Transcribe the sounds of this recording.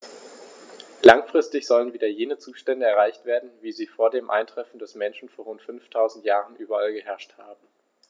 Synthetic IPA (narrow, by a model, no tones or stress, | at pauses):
laŋfʁ̥ɪstɪçz̥ɔlənviːdɐjeːnət͡suːʃtɛndəɛɐaɪçtv̥eːɐdn̩viːziːfoːɐdeːmʔa̰ɪntʁ̥ɛfn̩dɛsmɛnʃn̩foːɐʁʊntfʏnftʰaʊzn̩tjaːʁənʔyːbɐalɡəɦɛɐʃthaːbm̩